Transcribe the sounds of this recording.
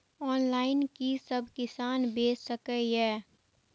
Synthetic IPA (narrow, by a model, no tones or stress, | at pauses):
ɔːnlaːɪnkisəbkɪsaːnbeːssəkəɦɛː